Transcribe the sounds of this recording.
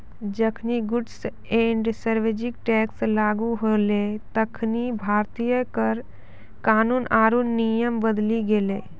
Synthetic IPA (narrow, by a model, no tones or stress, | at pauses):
d͡ʒəkʰniɡʊɖs | ẽːɳɖsəɾʋeːd͡ʒɪk̚ʈɛːkslaːɡuɦolet̪əkʰnibʱaːɾt̪ijəkəɾ | kaːnuːnaːɾunːijəmbəd̪liɡelḛː